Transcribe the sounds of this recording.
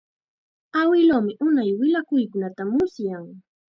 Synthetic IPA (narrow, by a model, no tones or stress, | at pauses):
awɪlomɪʔʊnajwɪlakʊjkʊnat̪amʊsjaŋ